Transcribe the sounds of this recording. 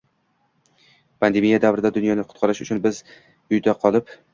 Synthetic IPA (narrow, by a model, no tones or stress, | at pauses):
pʰand̪e̞mijad̪avɾɪd̪ad̪ʊnjɒnɪqʰʊ̥t̪qʰɑɾɪʃʊ̰t͡ʃʰʊnbɪz | ʊjd̪aqʰɒlˠɪp